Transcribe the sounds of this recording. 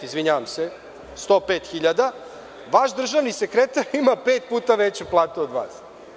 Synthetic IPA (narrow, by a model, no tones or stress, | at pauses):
izʋiɲaʋamse | st̪o̞ːpeːt̪xiʎad̪a | ʋaʃd̪r̩ʒaʋnisekɾet̪aɾimapeːt̪̚puːt̪aʋet͡ɕuplˠaːt̪uod̪ʋa̰ːs